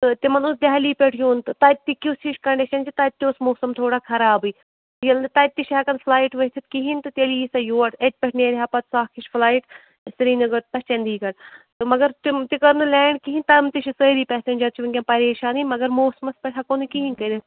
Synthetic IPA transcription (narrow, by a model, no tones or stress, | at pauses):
t̪ɨt̪imɐnusd̪ʲɐɦɐliːpʲeʈʰjuːnt̪ɨt̪ɐt̪ːikusiʃkɐɳɖiʃɐnt͡ʃʰit̪ɐt̪ːiʊsmoːsɐmt̪ʰoːɽaːkʰɐɾaːbɨː | jɐlnɨt̪ɐt̪ːiʃɦɐkɐnflaːjʈʋɐt̪ʰit̪kiɦint̪ɨt̪eliːsɐjoːɐʈɐʈ̚ʲpʲɛʈʰneːɾɦɐpɐt̪saːkʰiʃflaːjʈ | sɾiːnɨɡɐt̪̚t̪ɐʃt͡ʃɐnd̪iːkɐʈt̪ɨmɐɡɐɾt̪it̪ikɐɾnɨlɛːɳɖkiɦinʲt̪ɐmt̪iʃʰisəːɾiːpʲɛːsenʲd͡ʒɐt̪̚t͡ʃʰiʋɐnkʲɐnpɐɾeːʃaːniːmɐɡɐɾmoːsɐmɐspʲɐʈʰɐkonɨkiɦinkɐd̪ɐt̪